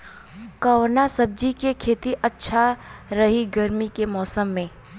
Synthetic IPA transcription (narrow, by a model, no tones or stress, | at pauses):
kɐːʋnasɐb̚d͡ʒikekʰeːt̪iʔɐtːʃʰaɾɐɦiɡɐɾmikemɔːsəmːẽː